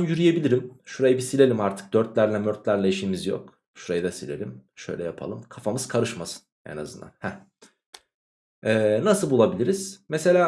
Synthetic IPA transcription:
njyɾyje̞bilʲiɾimʃuɾajɯbisilʲe̞lʲimaɾt̪ʰɯ̥k̚d̪øɾt̪lʲæɾlʲɛmøɾt̪lʲæɾlʲɛiʃimizjo̰k | ʃuɾajɯd̪ɛsilʲe̞̰lʲimʃø̞̰jlʲɛ̰japʰa̰lˠɯmkʰafamɯz̥kʰaɾɯʃmasɯ̥n | ḛna̰zɯnd̪a̰nhɛ | ɛːnasɯlˠbulˠabilʲiɾiz̥mese̞lʲaː

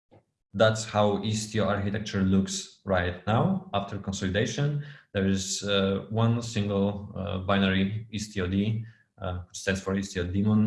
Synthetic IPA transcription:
ðætshawist̪ioaɹkit̪ʰɛk̚t͡ʃəɹluksɹaɪt̚nawaftʰəɹkɔ̃nsɔlideɪʃɔ̃nðɛɹɪzwʌ̃nsɪ̃ŋɡəlˠbaɪnəɹiist̪ʰiodi | wɪt͡ʃstɛ̃ndsfɔɹistiod̪imɔ̃n

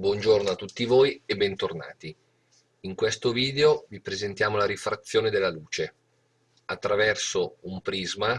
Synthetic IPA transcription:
bwɔnd͡ʒornoat̪ːut̪ːivoːjebːɛnt̪orna̰ːt̪i | iŋkwest̪oviːd̪eovipɾezent̪jaːmolaɾifɾat̪sːjoːned̪elːaluːt͡ʃe | at̪ːɾavɛrsoumpɾizma

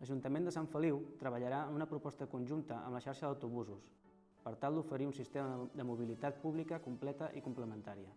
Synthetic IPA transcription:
ləʒunt̪əmend̪əsaɱfəliwt̪ɾəβəʎəɾaənunəpɾupɔst̪əkunʲʒunt̪əə̰mləʃaɾʃəðəwt̪uβuzus | pəɾt̪alˠd̪ufəɾiunsist̪eməd̪əmuβ̞ilit̪at̪̚puβ̞likəkumplɛt̪əʔikumpləmənt̪aɾiə

